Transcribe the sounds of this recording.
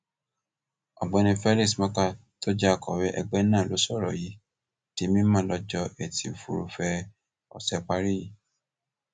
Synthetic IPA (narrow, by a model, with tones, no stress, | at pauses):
ɔ̰˨ɡ͡bɔ̃˨˧nĩ˧fɛ˦li˦˨smɔ̃˦ka˧ | to˦d͡ʒa˦˨kʰɔ˨wɛ˦ʔɛ˧ɡ͡bɛ˦nã˦˨lo˨˦sɔ˦˨ɾɔ̰˨ji˨˦ | ti˨˦mĩ˦mãː˦˨lɔ˧d͡ʒɔ˧ɛ˨ti˨u˨fṵ˧˨ɾṵ˧fɛ˧ | ɔ̰˨sɛ˧k͡pa˧˦ɾi˦ji˨